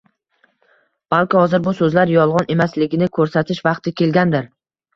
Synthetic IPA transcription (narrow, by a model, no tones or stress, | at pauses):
b̥alˠkʲɪhɒzɪɾbʊsɵzlaɾjɒlˠʁɒnʔe̞maslɪɡʲɪnɪkʰɵɾsat̪ʰɪʃvɑqt̪ʰɪkʲʰe̞lɡʲand̪ɪɾ